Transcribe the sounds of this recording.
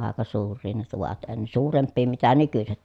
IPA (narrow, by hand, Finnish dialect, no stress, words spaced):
ɑˑekɑ suːrˑiː ne tuʋɑt en suːrempːiː mitæ nykyset